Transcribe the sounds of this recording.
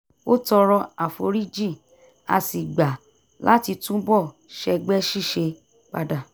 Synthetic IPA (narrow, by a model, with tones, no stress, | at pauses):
o˦tɔ˧ɾɔ˧a˨fo̰˨˦ɾi˦d͡ʒi˦˨ | a̰˧si˨ɡ͡ba˨ | la˦ti˧tũ˦bɔ˦˨ | ʃɛ˧ɡ͡bɛ˦ʃi˦˨ʃe˧ | k͡pa˧da˨